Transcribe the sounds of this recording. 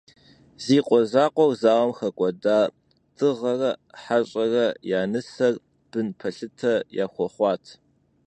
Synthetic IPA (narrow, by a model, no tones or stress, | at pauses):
ziːqʷʼɔzaːqʷʼɔwzaːʁɐmxɐkʷʼɔdaː | tʰʼɨʁɐrɐħaɕʼɐrɐjaːnɨsɐr | b̥ɨnpʰɐɬɨtʰɐja̰ːxʷɔχʷɑːtʰ